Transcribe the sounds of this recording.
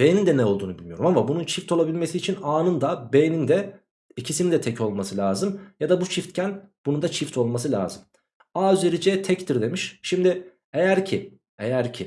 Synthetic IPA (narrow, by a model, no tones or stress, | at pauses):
b̥ejnind̪ɛnɛolˠd̪uːnubilʲmijo̞ɾumamabununt͡ʃʰift̪ʰo̞lˠabilʲme̞siːt͡ʃʰinaːnɯnd̪abejnind̪ɛ | icʰisinid̪ɛt̪ʰecʰo̞lˠmasɯlʲaːzɯmjad̪abut͡ʃʰift̪cʰænb̥unund̪at͡ʃʰift̪ʰo̞lˠmas̬ɯlʲa̰ːzɯm | aːyzeɾid͡ʒɛt̪ʰɛct̪ʰiɾd̪e̞miʃʃimd̪ɪ | ejæɾcʰi | ejæɾcʰɪ